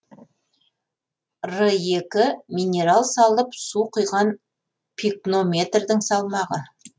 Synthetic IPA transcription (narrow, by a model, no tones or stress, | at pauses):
rəjekʲɪminʲe̞ɾalˠsɑlˠəpsuqʰʊjʁɑn | pʰikno̞mʲe̞t̪rd̪ɪŋsɑlˠmɑʁə